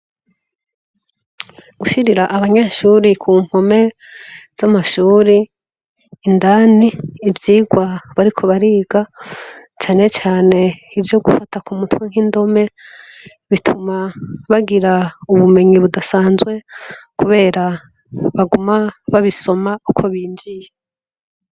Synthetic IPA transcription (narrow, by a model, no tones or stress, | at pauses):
ɡ̥uʃiɾiɾaʔaβaɲaʃuːɾikʰuːm̥ho̞me̞ | z̥amaʃuːɾiː | ndaniːvjiːɡwaβaɾikʰo̞βaɾiːɡ̥a | t͡ʃaːne̞t͡ʃaːne̞ivjo̞ɡufatakumutweŋ̥hindo̞me̞ | βitʰumaβaɡiɾauβume̞ɲiβudasaːnzwe̞kuβe̞ːɾa | βaɡumaβaβiso̞maukʰo̞βiːɲd͡ʒije